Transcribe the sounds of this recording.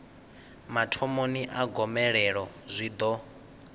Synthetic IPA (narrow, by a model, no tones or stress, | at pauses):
matʰɔmoniʔaɡɔmɛɺɛɺɔzʷid̪ɔ